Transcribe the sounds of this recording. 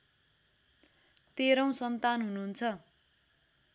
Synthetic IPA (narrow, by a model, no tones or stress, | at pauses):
t̪eɾʌw̃sʌnt̪anɦununt͡sʰʌ